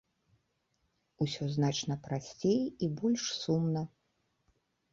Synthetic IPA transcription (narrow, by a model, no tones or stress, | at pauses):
usʲɔznat͡ʂnɐpɾasʲt͡sʲejibɔlʲʂsumnɐ